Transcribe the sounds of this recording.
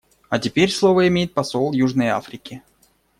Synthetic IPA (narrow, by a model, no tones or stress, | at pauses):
ɐtʲɪpʲeɾʲslˠo̞vəɪmʲejɪt̪̚pɐso̞lˠjuʐnəja̰fɾʲɪkʲɪ